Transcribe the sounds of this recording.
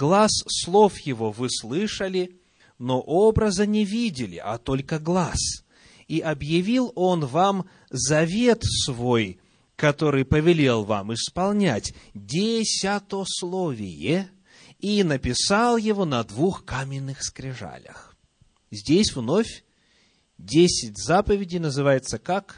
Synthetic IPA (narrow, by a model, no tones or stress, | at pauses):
ɡlˠasːlˠo̞fjɪvo̞vɨslˠɨʂəlʲɪ | noʔobɾəzənʲɪvʲidʲɪlʲɪ̰ʔɐ̰t̪o̞lʲkəɡlˠas | iʔɐbjɪvʲilˠo̞nvam | zɐvʲe̞t̪svo̞j | kɐt̪o̞ɾɨjpəvʲɪlʲe̞lˠva̰mɨspɐlˠnʲætʲdʲɪsʲat̪oslˠovʲɪ̰jɪ | inəpʲɪsalˠjɪvonɐd̪vuxkamʲɪnːɨxskɾʲɪʐa̰lʲə̰x | zʲdʲesʲvno̞fʲ | dʲesʲɪtʲzapəvʲɪdʲɪjnəzɨvajɪt̪səkak